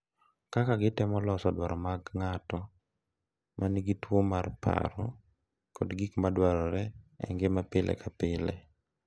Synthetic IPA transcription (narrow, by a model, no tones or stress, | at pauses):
kakaɡɪtɛmɔlɔsɔdwaɾɔmaɡŋatɔ | mʔaniɡitwomarpa̰ɾɔ̰ | kɔdɡikmadwaɾɔɾɛɛ̰ŋɡɪmapɪlʔɛ̰kapɪlɛ̰